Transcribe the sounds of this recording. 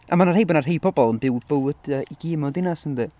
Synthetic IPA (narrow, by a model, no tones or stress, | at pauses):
amanarhejbɔnar̥ɦejpʰɔbɔlˠənbɪwb̥əwd̥əːiɡiːmɔdɪnasəndi